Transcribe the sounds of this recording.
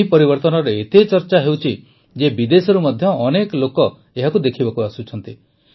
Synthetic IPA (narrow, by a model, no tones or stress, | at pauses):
ipɔɾibɔɾt̪ɔnɔɾɔet̪et͡ʃɔɾt͡ʃaɦewt͡ʃʰi | d͡ʒebid̪esɔɾumɔd̪ʱjɔːnekɔlokɔ | eɦakud̪ekʰibɔkuasut͡ʃʰɔnt̪i